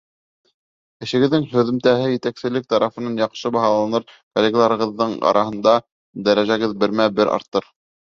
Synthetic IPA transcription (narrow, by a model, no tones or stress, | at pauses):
ɘ̆ʃɘ̆ɡɘ̆ðːɘŋɦɵ̆ðɘ̆mt̪æɦɘjɘ̆t̪æksɘ̆lɘk̚t̪ɑɾɑfɤ̆nɑnjɑqʃɤbɑɦɑlˠɑnɤɾkolʲeɡlˠɑɾɤ̆ʁɤ̆ðːɤɴɑ̰ɾʔɑɦɤ̆nd̪ɑ | d̪æɾæʒæɣɘðbɘ̆ɾmæbɘɾʔɑ̰ɾt̪ɤɾ